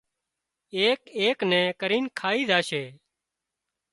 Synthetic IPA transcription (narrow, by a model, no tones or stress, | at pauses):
eːkeːknɛ̃ːkəɾiːnkʰaːiːzaːʃeː